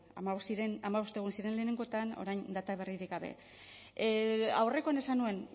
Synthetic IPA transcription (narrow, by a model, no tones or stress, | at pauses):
a̰maosiɾenamaβo̞st̪e̞ɣunsiɾe̞nle̞ːne̞ŋɡo̞t̪ano̞̰ɾajnd̪at̪aβ̞e̞riɾikɡaβe̞̰ | a̰wre̞ko̞ane̞sanue̞n